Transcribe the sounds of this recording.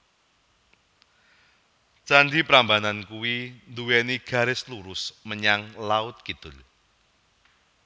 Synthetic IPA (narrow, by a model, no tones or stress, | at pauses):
t͡ʃandipɾambanankuwind̪uwɛniɡ̥ä̤ɾɪsluɾʊsməɲaŋlaʊt̪̚kid̪̥ʊl